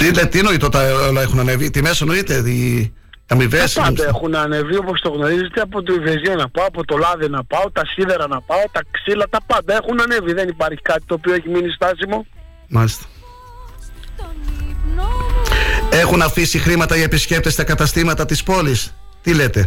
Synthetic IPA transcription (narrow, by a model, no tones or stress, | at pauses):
t̪ilet̪ino̞it̪ot̪ɐolɐexunɐnevit̪imesonoit̪e̞i | ɐmiveɐspɐnd̪ɐexunɐnevio̞po̞st̪o̞ɣno̞ɾizet̪eɐpot̪oiveziɐnɐpɐoɐpot̪o̞lɐðinɐpɐot̪ɐsiðeɾɐnɐpɐot̪ɐksilɐt̪ɐpɐnd̪ɐe̞xunɐneviðe̞nipɐɾçi̥kɐt̪i̥t̪o̞ːpioeçiminist̪ɐsimo̞ | mɐlist̪ɐ̥ | e̞xunɐfisixɾimɐt̪ɐʝɐepisce̞p̚t̪e̞st̪ɐkɐt̪ɐst̪imɐt̪ɐt̪ispo̞lis | t̪ile̞t̪e̞